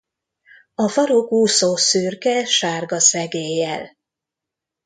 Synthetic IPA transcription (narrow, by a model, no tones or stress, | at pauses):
ɒfɒɾokuːsoːsyːrkɛʃaːrɡɒsɛɡeːjɛl